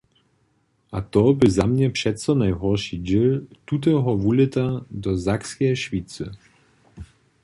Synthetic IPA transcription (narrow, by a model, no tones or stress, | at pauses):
at̪ɔbɘzamɲɛpʂɛt̪sɔnajɦɔɾʂid͡ʑilt̪ut̪̬ɛɦɔvulɛt̪ad̪ɔzakskʲɛjʃfʲit̪sɨ